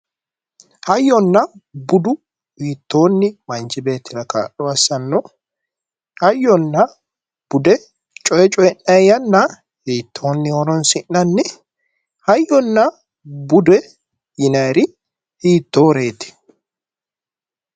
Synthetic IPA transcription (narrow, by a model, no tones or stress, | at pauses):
hɐjːɔnːɐbʊd̪ʊ | hiːt̪ːoːnːɪmɐnt͡ʃɪbe̞ːt̪ːɪɾɐka̰ːɗɔɐsːɐnːɔ | hɐjːɔnːɐ | b̥ʊd̪ɛ | t͡ʃʼɔjɛt͡ʃʼɔjɛnːɐjɐnːɐ | hiːt̪ʰːo̞ːnːɪɔɾɔnsɪnːɐnːɪ | hɐjːɔnːɐ | bʊd̪ɛ | jɪnɐjɾɪ | hiːt̪ːoːɾeːt̪ɪ̥